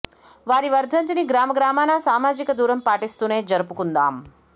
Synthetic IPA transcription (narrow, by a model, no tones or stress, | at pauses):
ʋaɾiʋəɾd̪ʱənt̪iniɡɾaməɡɾamanasamad͡ʒikəd̪uɾəmpaʈist̪uned͡ʒəɾpukund̪a̰ːm